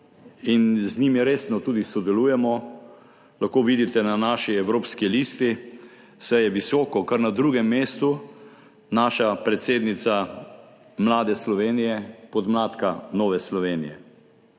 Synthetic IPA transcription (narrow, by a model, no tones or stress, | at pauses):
inzniːmiɾeːsnɔt̪uːd̪isɔd̪ɛluːjɛmɔ | laxkoːʋiːd̪it̪ɛnanaːʃiɛwɾoːpskiliːst̪i | sajɛʋisɔːkɔkaɾnad̪ɾuːɡɛmːeːst̪u | naːʃapɾɛt̪seːd̪nit̪sa | mlaːd̪ɛslɔʋeːnijɛpɔd̪mlaːt̪kanɔːʋɛslɔʋeːnijɛ